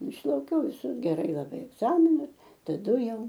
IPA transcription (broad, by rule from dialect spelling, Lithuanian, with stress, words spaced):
ɪʃlˠɐʊˈkʲɛʊ ʋʲɪˈsʊs ɡʲɛˈrɐɪ lˠɐˈbɐɪ ɛɡˈzɑːmʲɪnɐɪ tɐˈdʊ ˈjɛʊ